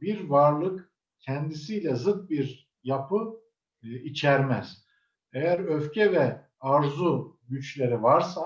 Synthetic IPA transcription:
biɾvaɾlˠɯk | cʰɛnd̪isiːlʲɛzɯt̪̚biɾ | japʰɯ | it͡ʃʰæɾmæz̥ | ejæɾøfcʰɛvɛ | aɾzuɟyt͡ʃlʲe̞ɾivaɾsa

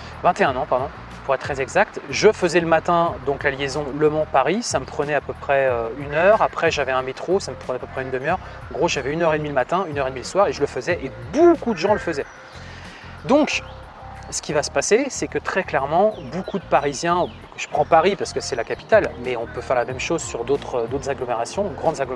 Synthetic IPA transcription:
vɛ̃t̪eɛ̃nɑ̃paʁd̪ɔ̃ | puʁɛt̪ːχɛzɛɡzak̚t̪ʒəfəzɛləmat̪ɛ̃d̪ɔ̃klaljezɔ̃ləmɑ̃paʁisaməpχənɛapøpχɛøynœʁapχɛʒavɛɛ̃met̪χosaməpχənɛapøpχɛynd̪əmjœʁ | ɑ̃ɡʁoʒavɛynœʁed̪miləmat̪ɛ̃ynœʁed̪miləswaʁeʒələfəzɛʔebokud̪əʒɑ̃ləfəzɛ | d̪ɔ̃k | sə̥kʲivasə̥pasesɛkət̪χɛklɛʁmɑ̃bokʰud̪əpaʁizjɛ̃ | kəʒ̥ə̥pχɑ̃paʁipaʁsə̥kəsɛlakapi̥t̪almɛɔ̃pøfɛʁlamɛmʃozsyʁd̪ot̪χəd̪ot̪χəzaɡlɔmeʁasjɔ̃ɡʁɑ̃d̪zaɡ

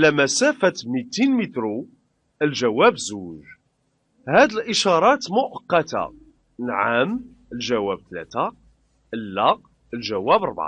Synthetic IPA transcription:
ʕlæmæsæfæt̪mit̪inmit̪ɾu | əlʒæwæbzuʒ | hæd̪əlʔəʃɑɾˤɑt̪mʊʔəqːɑt̪a̰ | lʕam | əlʒæwæb̚t̪læ̰t̪a | əlːɑq | əlʒæwæbɾˤbʕa̰

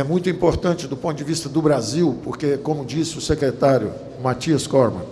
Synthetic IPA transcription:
ɛmũj̃t̪̬ʊĩpoɾt̪ɐ̃t͡ʃɪd̪ʊpõt̪ʊd͡ʒɪvist̪ɐd̪ʊbɾaziwpoɾkekõmʊd͡ʒisɪʊsekɾet̪aɾjʊ̰ | mat͡ʃiɐskɔɾmɐ̰̃

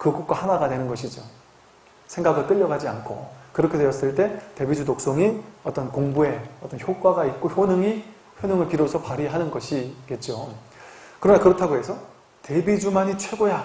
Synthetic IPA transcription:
kɯɡukwahanaɡadwe̞nɯnɡʌɕʰid͡ʑo | sʰe̞ŋɡaɡɯɭt͈ɯʎːʌɡad͡ʑia̰nkʰo̰kɯɾʌkʰe̞dwejʌs͈ɯɭt͈e̞te̞bid͡ʑutok̚s͈oŋiʌt͈ʌnkoŋbue̞ʌt͈ʌnçjok͈waɡait̚k͈oçjonɯŋi | çjonɯŋɯɭpiɾosʰʌpaɾiɦanɯnɡʌɕʰiɡe̞t̚t͡ɕ͈o | kɯɾʌnakɯɾʌtʰaɡoɦe̞sʰʌ | te̞bid͡ʑumaɲit͡ɕʰwe̞ɡoja

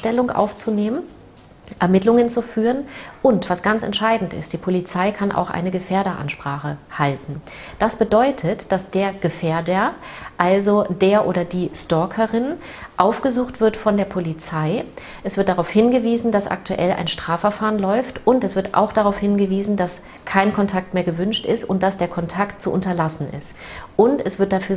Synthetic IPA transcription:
tɛlʊŋʔa̰ʊft͡suneːmən | ʔɛɐmɪtlʊŋənt͡sufyːʁənʔʊntv̥asɡ̥ant͡sɛ̰ntʃaɪdn̩tɪ̰st̚d̥iːpʰolit͡saɪkʰanʔa̰ʊxʔa̰ɪnəɡəfeːɐdəʔa̰nʃpʁ̥aːχəhaltn̩ | d̥asb̥ədɔʏtʰətd̥asd̥eːɐɡ̥əfeːɐdɐʔalzod̥eːɐʔoːdɐdiːstɔɐkʰəʁɪn | ʔaʊfɡ̥əzuːxtv̥ɪɐtfɔndeːɐpʰolit͡saɪ | ʔɛsv̥ɪɐt̚d̥aʁaʊfhɪnɡəviːzn̩dasʔa̰ktʰuʔɛlʔa̰ɪnʃtʁ̥aːfɛɐfaːʁənlɔʏftʔʊntɛsv̥ɪɐtʔa̰ʊxd̥aʁaʊfhɪnɡəviːzn̩das | kʰaɪnkʰɔntʰak̚tmeːɐɡəvʏnʃtɪstʊnt̚d̥asd̥eːɐkʰɔntʰaktt͡suʔʊntɐlasn̩ʔɪ̰st | ʔʊntɛsv̥ɪɐt̚d̥afyːɐ

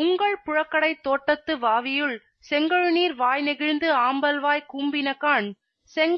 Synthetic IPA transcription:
ʊŋɡɐɭpʊɻɐkːɐɽɐɪt̪ːoːʈːɐt̪ːɯʋaːʋɪjɯɭ | sɛŋɡɐɻɯniːɾʋaːjnɪɣɪɻnd̪ɯaːmbɐlʋaːjkuːmbɪnɐkːaːn | sɛŋɡ

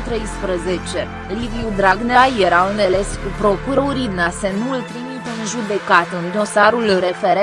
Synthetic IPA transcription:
t̪ɾe̞jspɾəze̞t͡ʃe̞ | liviud̪ɾaɡneajeɾaɨnele̞skupɾo̞kuɾəuɾid̪nase̞nult̪ɾimit̪əɨnʒud̪e̞kat̪ɨnd̪o̞saɾulɾe̞fe̞ɾe

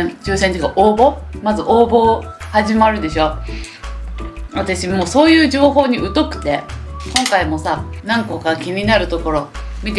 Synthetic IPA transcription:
t͡ɕɨːsẽnikaʔoːbo̞mazɨʔoːbo̞haʑimaɾɯ̟d̪e̞ɕo̞ | βat̪aɕimo̞ːso̞ːjɯ̟ːʑo̞ːɦo̞ːɲ̟iɯ̟t̪o̞kɯ̟̥t̪e̞kõ̞ŋkaimo̞sanãŋko̞kakʲiɲ̟inaɾɯ̟t̪o̞ko̞ɾo̞mʲit̪̬e

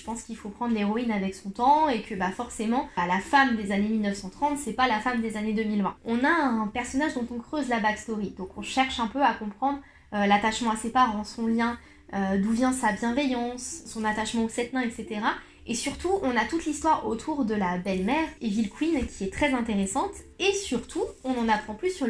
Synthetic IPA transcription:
əpɑ̃skʲilfopχɑ̃d̪ʁleʁɔinavɛksɔ̃t̪ɑ̃ekʰəbafɔʁsemɑ̃alafamd̪ezanemilnəfsɑ̃t̪χɑ̃t̪sɛpalafamd̪ezaned̪ømilvɛ̃ɔ̃naɛ̃pɛʁsɔnaʒd̪ɔ̃t̪ɔ̃kχøzlabakst̪ɔʁid̪ɔ̃kɔ̃ʃɛʁʃɛ̃pøakɔ̃pχɑ̃d̪ʁ | lat̪aʃmɑ̃asepaʁɑ̃sɔ̃ljɛ̃ | ød̪uvjɛ̃sabjɛ̃vɛjɑ̃sːɔ̃nat̪aʃmɑ̃osɛt̪nɛ̃ɛkset̪eʁa | esyʁt̪uɔ̃nat̪ut̪list̪waʁo̰t̪ʰuʁd̪əlabɛlmɛʁevilkwinkʲiɛt̪χɛzɛ̃t̪eʁesɑ̃t̪ | esyʁt̪ʰuɔ̃nɑ̃napχɑ̃plysy

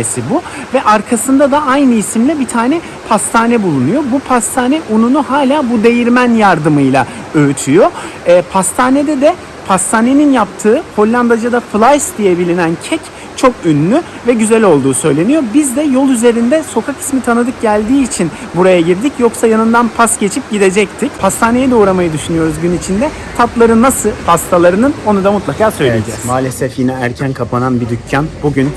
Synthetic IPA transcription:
esibuvɛʔaɾkʰasɯnd̪ad̪aajnɯisimlʲɛbit̪ʰaːnɛ | pʰast̪ʰaːnɛbulˠunujo̞bupʰast̪ʰaːnɛʔununuɦaːlʲaːbud̪e̞jiɾmænjaɾd̪ɯmɯjlˠa̰ | øyt̪ʰyjo̞ːpʰast̪ʰaːned̪ɛd̪ɛ | pʰast̪ʰaːne̞ninjap̚t̪ʰɯːho̞lʲːand̪ad͡ʒad̪aflˠajsd̪ijɛbilʲinæncʰɛc | t͡ʃʰo̞kynlːʲy | vɛɟyzælʲo̞lˠd̪uːsø̞jlʲe̞nijo̞bizd̪ɛjo̞lˠyze̞ɾind̪ɛso̞kʰaki̥smit̪ʰanɯd̪ɯk̚ɟælʲd̪iːt͡ʃʰin | buɾajaɟiɾd̪icjo̞ksajanɯnd̪anpʰasɟe̞t͡ʃʰip̚ɟid̪e̞d͡ʒɛc̚t̪ʰicpʰast̪ʰaːne̞jɛd̪ɛuːɾamajɯd̪yʃynyjo̞ɾuzɟynit͡ʃʰind̪ɛ | t̪ʰaplˠaɾɯnːasɯpʰast̪ʰalˠaɾɯnɯno̞nud̪amut̪lˠakaːsø̞jlʲied͡ʒɛ̰zmaːlʲesɛfjinɛæɾcʰænkʰapʰananbid̪ycʰːanbuɟyn

